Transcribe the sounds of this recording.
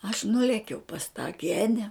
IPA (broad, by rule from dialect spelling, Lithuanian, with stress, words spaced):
ɐʃ ˈnʊlʲeːkʲɛʊ pɐs tɑː ˈɡʲæːnʲɛ